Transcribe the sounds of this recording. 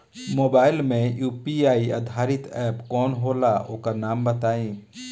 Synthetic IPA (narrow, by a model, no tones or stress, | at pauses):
moːbaːɪlmẽjuːpiaːiə̰d̪ʱaːɾɪt̪ɛːpkɔːnɦoːlaoːkanaːmbət̪aːĩ